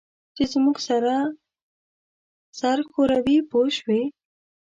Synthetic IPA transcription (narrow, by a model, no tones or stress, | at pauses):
t͡ʃezmuɡsaɾa | saɾxoɾawipoʃwi